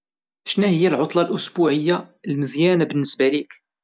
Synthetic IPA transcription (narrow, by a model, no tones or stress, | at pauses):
ʃnæhəjːælʕʊt̪ˤlɑlʔʊsbuʕəjːalməzjænabənːəsbælik